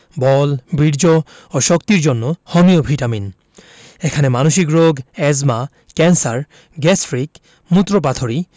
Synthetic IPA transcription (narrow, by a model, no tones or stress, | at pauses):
bɔlbɹiɹd͡ʒɔ | ɔʃɔkt̪iɹzɔnːɔhɔmijɔbʱitamin | ɛkʰanɛmanoʃikɹoɡɛzma | kɛnsaɹ | ɡɛsʰɹik | mut̪ɹɔp̬at̪ʰoɹi